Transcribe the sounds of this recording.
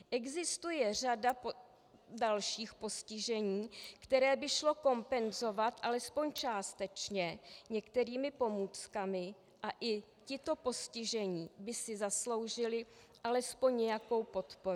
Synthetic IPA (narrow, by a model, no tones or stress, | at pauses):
ʔɛɡzɪst̪ujɛr̝adap | dalʃiːxpo̞scɪʒɛɲiːkt̪ɛɾɛːbɪʃlo̞ko̞mpɛnzo̞vat̪ʔalɛspo̞ɲt͡ʃaːst̪ɛt͡ʃɲɛɲɛkt̪ɛɾiːmɪpo̞muːt͡skamɪ | ʔaʔɪ | cɪt̪o̞po̞scɪʒɛɲiːbɪsɪzaslo̞wʒɪlɪ | ʔalɛspo̞ɲɲɛjako̞wpo̞t̪po̞ɾu